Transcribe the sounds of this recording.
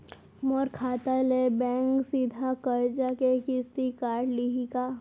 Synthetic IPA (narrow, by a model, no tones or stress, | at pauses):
mɔɾkʰaːt̪alebɛ̃ːŋksid̪ʱakəɾd͡ʒakekɪst̪ikaːʈliɦika